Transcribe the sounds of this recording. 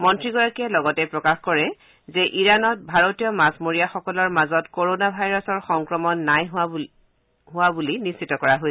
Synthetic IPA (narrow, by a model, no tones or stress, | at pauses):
mɔntɹiɡɔɹakiɛlɔɡɔtɛpɹɔkaxkɔɹɛ | zɛʔiɹanɔt̚bʱaɹotijɔmasmoɹijaxɔkɔlɔɹmazɔtkoɹonabʱajɹɔsɔɹxɔŋkɹɔmɔnːaj | ɦʊwabulinissitɔkɔɹaɦoj